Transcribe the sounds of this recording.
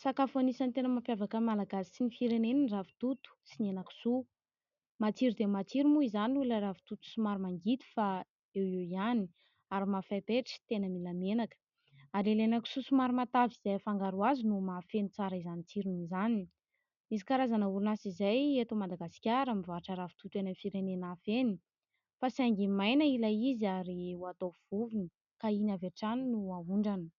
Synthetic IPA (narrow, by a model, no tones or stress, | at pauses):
sakafanisant̪enəmampjavakəmalaɡasi̥sinifiɾeneninrafi̥t̪ut̪u̥sinenaku̥su | mat͡siɾid̪emat͡siɾimuizanularavi̥t̪ut̪u̥sumaɾumaŋɡit̪i̥fa | eweiani | aɾimafajpeʈ͡ʂi̥t̪enəmilamenakə̥ | aɾelenaku̥susumaɾumat̪aviz̥afaŋɡaɾuazinumafenit͡saɾəizanit͡siɾunizani | mis̬i̥kaɾazanəuɾunasizajet̪omad̪aɡasi̥kʲaɾamivaʈ͡ʂaɾavu̥t̪ut̪enamifiɾenenafeni | fasaŋɡimajnəilaiziaɾiuat̪ov̥uvini | kainaveʈ͡ʂaninuauɳɖ͡ʐanə̥